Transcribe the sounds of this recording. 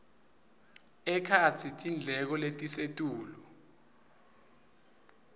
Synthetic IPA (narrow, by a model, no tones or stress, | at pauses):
ɛkʰat͡sʰitʼind͡ɮʱɛk̬ɔletʼisetʼuːlɔ